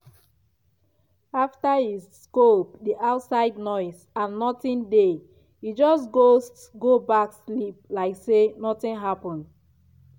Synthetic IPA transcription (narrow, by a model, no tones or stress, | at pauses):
aftahisːkop̚diʔatsaɪdnɔɪs | ãnːɔtĩnde | id͡ʒɔsɡostɡobakslip̚laɪksenɔtĩnɦapɔ̃nd